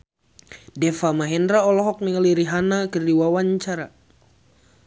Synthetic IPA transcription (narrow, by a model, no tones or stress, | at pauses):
dɛfamaɦɛndɾaɔlɔɦɔk̚miŋəliɾiɦanakərdiwawaɲt͡ʃaɾa